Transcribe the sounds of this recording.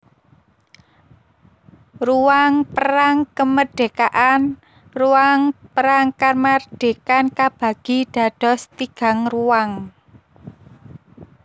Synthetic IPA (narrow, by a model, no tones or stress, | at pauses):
ruwaŋpəɾaŋkəməɖ̥e̤kaʔan | ruwaŋpəɾaŋkarmarɖ̥e̤kankab̥ä̤ɡ̥i̤ɖ̥ä̤d̥ɔ̤st̪iɡ̥a̤ŋruwaŋ